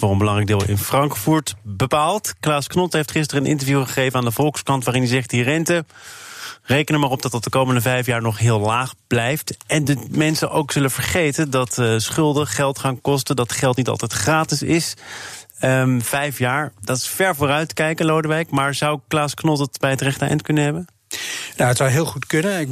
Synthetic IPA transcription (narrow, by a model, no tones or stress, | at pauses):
vʊːrənbəlɑŋrɛjɡ̚dɪːlˠɪ̰nfrɑŋkfuɹtbəpaːlˠtklaːsknɔtɦejftχɪstərənʔɪ̰ntəɹvjuχəχejvənaːndəvɔlˠkskɑntʋaːrɪnəzɛχt̚dirɛntə | rejkənəmaːrɔb̚dɑtət̚dəkowməndəvɛjfjaːɹnɔχɦɪːlˠlaːχblɛjftʔɛndmɛnsəʔowkz̥ɵləv̥əɹχejtəndɑtsχʏlˠdəχɛlˠtχaːnkɔstədɑtχɛlˠtnitɑ̰lˠtɛjtχraːtɪsɪs | əv̥ɛjfjaːɹdɑtɪ̥sfɛɹvʊːrœɥtkɛjkəlowdəʋɛjkmaːɹzɑwklaːsknɔtətbɛjɦətrɛχtəɛ̰jntkɵnənɦɛbən | naətsʌwɦɪːlˠχutkɵnəɪ